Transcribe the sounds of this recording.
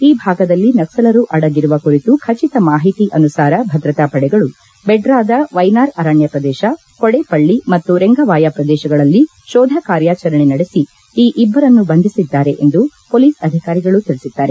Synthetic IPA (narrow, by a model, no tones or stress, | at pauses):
iːbʱaːɡɐd̪ɐlːinɐksɐlɐɾuʔɐɽɐɡiɾuʋɐkuɾit̪ukʰɐt͡ʃit̪ɐmaːɦit̪iʔɐnusaːɾɐbʱɐd̪ɾɐt̪apɐɽɛɡɐɭu | bɛɖɾaːd̪ɐʋɐjnaːɾɐːɾaːɳjɐpɾɐd̪ɛːʃɐ | kɔɽepɐɭːimɐt̪ːuɾeŋɡɐʋaːjapɾɐd̪ɛːʃɐɡɐɭɐlːi | ʃɔːd̪ʱɐkaːɾjaːt͡ʃɐɾɐɳinɐɽesi | iːʔibːɐɾɐnːubɐnd̪isid̪ːaːɾe̞ʔend̪upoːliːsɐd̪ʱikaːɾiɡɐɭut̪iɾisid̪ːaːɾe